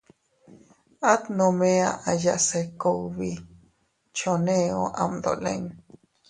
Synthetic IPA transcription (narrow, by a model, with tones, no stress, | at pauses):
a˦t̪nomẽ˦a˦ʔa˧ja˧ʔse˧ko˧wβi˧ | t͡ʃʰo˧ne˦õʔa̰˨md̪o̰˨lḛ˧ɲ